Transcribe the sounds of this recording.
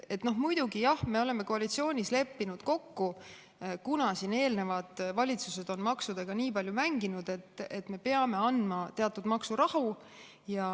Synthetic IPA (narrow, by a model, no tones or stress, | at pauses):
e̞t̪no̞ɦmujd̪̥uɡijɑhme̞o̞le̞mːe̞ko̞ɑlit̪sio̞ːnʲisle̞pːinud̪̥ko̞kːu | kunɑsine̞ːlne̞vɑd̪̥vɑlʲit̪suse̞d̪̥o̞nmɑksud̪̥eɡ̥ɑniːpɑlʲjumæŋɡinud̪̥e̞t̪ːet̪ːˑme̞pe̞ɑme̞ɑnd̪mɑt̪e̞ɑt̪ːˑud̪mɑksuɾɑhu | jɑ